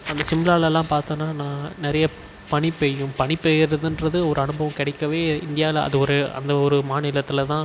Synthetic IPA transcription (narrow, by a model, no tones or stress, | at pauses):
ɐnd̪ɐsɪmɪlaːlɛlːãːpaːɾt̪õːnːaːnãːnɪɾɐjɐ | pɐɳipɛjɯ̃pɐɳipejɾɐðɯndɾɐðɯɔɾɯɐnɯbɐʋɐ̃kɪɽɛɪkːɐʋeːɪnd̪ɪjaːɪlɐ̰ðɯɔɾɯɐ̰nd̪ɐɔɾɯmaːnɪlɐt̪ːɪlɐt̪ãː